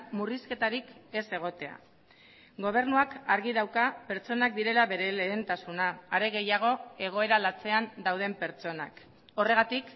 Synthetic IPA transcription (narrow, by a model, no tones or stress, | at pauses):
muriske̞t̪aɾike̞se̞ɣ̞o̞t̪e̞a̰ | ɡo̞β̞e̞ɾnuakaɾɣiðawkape̞ɾt͡ʃo̞nak̚d̪iɾe̞laβe̞ɾe̞leːnt̪asunaːɾe̞ɣ̞e̞jaɣ̞o̞e̞ɣ̞o̞e̞ɾalat͡se̞and̪awð̞e̞mpe̞ɾt͡ʃo̞nak | o̞re̞ɣat̪ik